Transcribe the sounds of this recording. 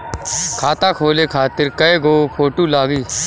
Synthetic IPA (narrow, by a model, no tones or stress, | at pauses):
kʰaːt̪aːkʰoːleːkʰaːt̪ɪɾkəeɡoːpʰoːʈuːlaːɡiː